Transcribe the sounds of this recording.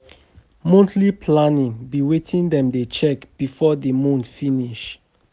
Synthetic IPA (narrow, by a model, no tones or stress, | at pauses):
mõntlipʰlanĩŋbiwetʰĩndɛ̃mdet͡ʃɛkb̥ifɔdemɔ̃ntfiniʃ